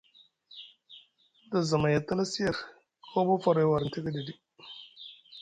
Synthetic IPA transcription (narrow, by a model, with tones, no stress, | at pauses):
da˨za˨ma˨ja˨t̪a˦la˦si˦ja˨ɾ | kʰo˦bo˦fa˦˨ɾo˨˦˨wa˨ɾn˨ti˦ɡə˦di˨di˦